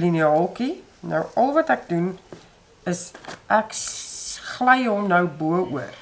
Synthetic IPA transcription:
liniɑːlˠki | nəwɐlˠvɐtæk̚dun | əsʔæk | χlɛjɦɔmnəwbuəuər

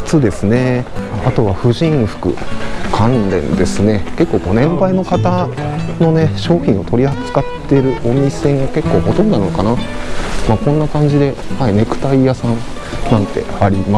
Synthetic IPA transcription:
t͡sɨd̪e̞sɨne̞at̪o̞βaɸɯ̟ʑĩɰ̃ɸɯ̟̥kɯ̟̰kʰãnɾẽ̞̰nd̪e̞sɨne̞ke̞kːoːko̞ːnẽ̞mbaino̞kat̪ano̞ne̞ɕo̞ːçʲĩɰ̃o̞t̪o̞ɾʲihat͡sɨ̥kat̪ːe̞ɾɯ̟ʔo̞mʲisẽ̞ŋɡake̞kːo̞ːho̞t̪õ̞nd̪onanoka̰namakõnːakãɲ̟d͡ʑid̪e̞haine̞kɯ̟̥t̪aijasãn | nãnt̪e̞̰aɾʲima

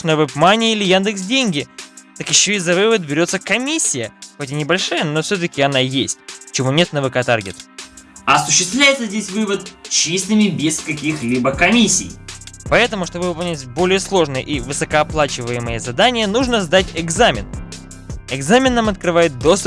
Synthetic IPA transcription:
nəvɨpmanʲɪilʲɪjand̪ɨksdʲenʲɡʲɪt̪akjɪɕːoɪzːɐvɨvət̪̚bʲɪɾʲo̞t̪səkɐmʲisʲːɪjəxotʲɪnʲɪbɐlʲʂajəno̞fsʲɵt̪̬əkʲɪɐnajesʲtʲt͡ɕɪvo̞nʲe̞t̪nəvɨkɐt̪arɡʲɪt̪ə̥ɐsʊɕːɪst̪vlʲæjɪt̪səzʲdʲesʲvɨvət̪̚t͡ɕist̪ɨmʲɪbʲɪskɐkʲixlʲibəkɐmʲisʲːḭjpɐɛt̪əmʊʂt̪o̞bɨvɨpɐlˠnʲatʲbo̞lʲɪjəslˠo̞ʐnəjə̰ʔivɨsəkəɐplˠat͡ɕɪvəjɪmɨjəzɐd̪anʲɪjənuʐnəzd̪atʲɪɡzamʲɪn | ɪɡzamʲɪnːamɐt̪̚kɾɨvajɪt̪̚d̪o̞st̪ʊp̚

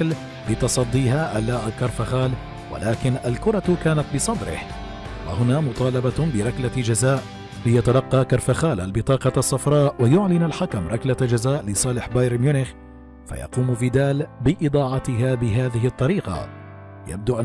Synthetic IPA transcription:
l | lɪt̪ɑsˤɑd̪ˤːiːhaːʔalaːʔakɑɾˤfaxaːl | wa̰lʔaːkɪnʔalkʊɾˤɑkaːnat̪bɨsˤɑd̪ɾɪ̰h | wa̰hʊnaːmʊt̪ˤɑːlɑbɑbɪɾˤɑklad͡ʒazaːʔ | lɪjat̪alɑqːɑːkɑɾˤfaxaːlʔa̰lbɪt̪ˤɑːqɑɑsˤːɑfɾˤɑːʔwajʊʕlɪnalħakamɾˤɑklad͡ʒazaːʔlɪsˤɑːlɪħbajɾmjʊnɪx | fa̰jɑ̰quːmfiːd̪aːlbɪʔɨd̪ˤɑːʕɑt̪ɪɦaːbɪɦaːðɪɦɪʔt̪ˤːɑɾiːqɑ̰ | ja̰b̚d̪uʔan

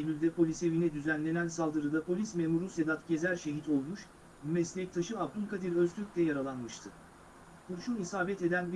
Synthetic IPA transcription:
lʲylʲd̪ɛpʰo̞lʲise̞vinɛd̪yzænlʲe̞nænsalˠd̪ɯɾɯd̪apʰo̞lʲismemuɾuse̞d̪at̪ɟe̞zæɾʃe̞ɦit̪ʰo̞lˠmuʃ | mymɛslʲɛc̚t̪ʰaʃɯab̚d̪unkʰad̪iɾøzt̪ʰylʲyc̚ʲlʲɛjaɾalˠanmɯʃt̪ʰɯ | buɾʃunisaːbɛt̪e̞d̪ænb

